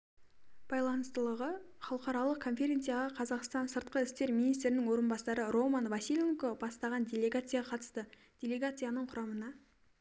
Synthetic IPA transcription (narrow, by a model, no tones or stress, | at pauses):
b̥ɑjlˠɑnəst̪əlˠəʁə | χɑlˠəqɑɾɑlˠəq̚kʰo̞nfʲe̞ɾʲe̞nt̪sɨjaləqʰɑzɑqst̪ɑnsəɾt̪̚qəɪst̪e̞ɾminijst̪ɾɪnɪŋwo̞ɾənbɑsɑɾəɾo̞manvasʲilʲeŋkobɑst̪ɑʁɑndʲe̞lʲe̞ɡat̪sɨjaʁɑqʰɑt̪ə̥st̪ə | d̥̪ʲe̞lʲe̞ɡat̪sɨjanəɴqʰʊɾɑmənɑ